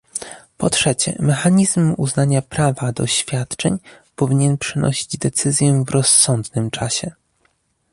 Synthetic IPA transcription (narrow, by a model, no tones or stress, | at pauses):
pɔtʂɛt͡ɕɛ̰mɛxaɲizmuznaɲapɾavad̪ɔɕfʲjat̪t͡ʂɛ̰ɲ | pɔvʲiɲɛnpʂɘnɔ̰ɕid͡ʑd̪ɛt̪sɘzʲjɛvɾɔsːɔnd̪nɘmt͡ʂaɕɛ